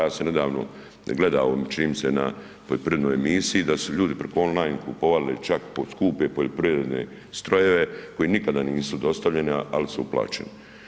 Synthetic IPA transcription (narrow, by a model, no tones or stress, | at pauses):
aːsene̞d̪aːʋno̰ | ɡle̞d̪aːomt͡ʃiniːmsena̰ | poʎopɾiɾed̪noːjemisijid̪asuʎuːd̪ipɾekoo̞nlajnkṵpoʋalilet͡ʃakposkuːpepoʎopɾiʋɾe̞d̪nḛ | st̪ɾo̞je̞ʋe̞ko̞jinikad̪aniːsud̪o̞st̪aʋʎe̞nialisuupla̰ːt͡ʃḛni